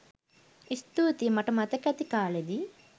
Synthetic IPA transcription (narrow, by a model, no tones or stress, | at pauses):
ist̪uːt̪imɐʈɐmɐt̪ɐkɐt̪ikaːɭɐd̪i